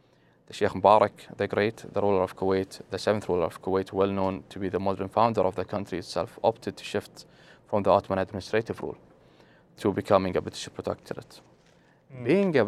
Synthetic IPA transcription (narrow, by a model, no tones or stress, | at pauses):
ðəʃeːxmʊbɑːɾɑkðɨɡɾeɪt̪ðəɾuːləɾɔv̥kʰəweɪt̪ðəsɛvnθɾuːləɾɔv̥kʰəweɪt̪ʰwɛlnõːnt̪ʰəbiːðəmɔd̪ɾənfãʊ̃nd̪əɾʔɔvðəkʰʌ̃nt̪ɾiɨt̪sɛ̰lfɔ̰pt̪ʰɨd̪̚t̪ʰu̥ʃɪft̪ | fɾɔ̃mðiɔt̪mə̃nəd̪mɪnɨstɾeɪtɨvɾṵːl | t̪ʰəbɨkʰʌmɪ̃ŋəbɪt̪ɪ̥ʃɪpʰət̪ʰɛ̰k̚t̪ʰəɾə̰t | biːɪ̃ŋə